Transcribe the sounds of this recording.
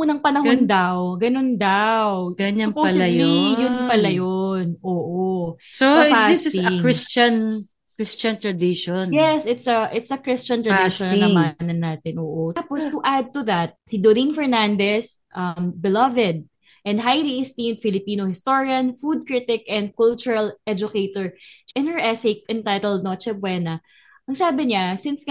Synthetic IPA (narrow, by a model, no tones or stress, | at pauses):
uːnɐŋpɐnɐɦond̪awɡɐnond̪awɡɐɲsɐpoɐslajlijʊnpɐlɐjonʔoːʔosofadɪsst̪ɪŋɹɪst͡ʃɐn | kɹɪst͡ʃɐnt̪ɹɐd̪ɪʃonjɛsɪt̪sɐʔɪt̪sɐkɾɪst͡ʃɐnt̪ɹɐdʃɔnnɐmanɐnːaːt̪ɛnʔoːʔoapostuʔad̪̚t̪uðɐt̪̚sid̪oɾinfɛɹnand̪ɛsʔɐmbɪlɐvɛd̪̚ | ʔɛ̃nd̪̚ɦajliʔɪst̪ĩmd̪̚fɪlɪpiːnohɪst̪oɹiɐ̃nfud̪̚kɹɪt̪ɪkɛ̃nd̪̚kʊlt͡ʃʊɹɐlʔɛd͡ʒʊkejt̪ɔɹʔɪ̃nhə˞ʔɛsek̚ɛ̃nt̪ajt̪ɛlˠd̪̚not͡ʃɛbwɛnɐ | ʔɐŋsaːbɪɲasɪns